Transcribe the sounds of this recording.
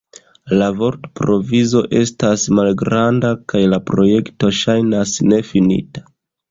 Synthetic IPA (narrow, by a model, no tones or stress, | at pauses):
lavo̞ɾtpɾo̞vizo̞ʔe̞stasmalɡɾandakajlapɾo̞je̞kto̞ʃajnasne̞finḭtḁ